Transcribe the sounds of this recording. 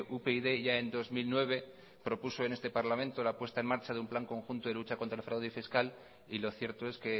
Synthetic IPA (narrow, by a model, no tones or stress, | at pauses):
upeiðe̞ʝae̞nd̪o̞zmilnwe̞β̞e̞ | pɾo̞pusoe̞nest̪e̞paɾlamẽ̞nt̪olapwe̞st̪ae̞nmaɾt͡ʃaðeumplaŋko̞ŋxunt̪o̞ðe̞lut͡ʃako̞nt̪ɾalfɾawðifiskal | ilo̞θje̞ɾt̪o̞e̞ske̞